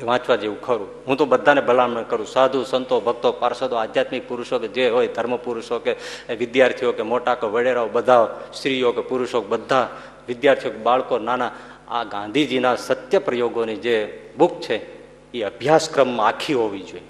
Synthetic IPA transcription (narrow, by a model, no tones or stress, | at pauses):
ʋãt͡ʃʋad͡ʒeʋũkʰəɾũɦũt̪obəd̪ʱːanebʱəlamnəkəɾũsad̪ʱũsənt̪obʱək̚t̪opaɾsad̪oad̪jat̪mɪk̚puɾuʃoked͡ʒeɦojd̪ʱəɾməpuɾʊʃokeʋɪd̪jaɾt̪ʰijokemoʈakoʋəɽeɾaobəd̪ʱaʋst̪ɾijokepuɾuʃok̚bəd̪ʱːa | ʋɪd̪jaɾt̪ʰijokebaɭkonana | a̰ɡãnd̪ʱid͡ʒinasət̪jəpɾəjoɡonid͡ʒebukʰt͡ʃʰe | iəbʱjaskɾəmːãakʰiɦoʋid͡ʒoe